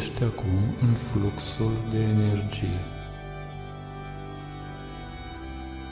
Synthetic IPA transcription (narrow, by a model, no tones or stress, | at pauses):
ʃt̪akumɨnfluksuld̪e̞ːne̞rd͡ʒije̞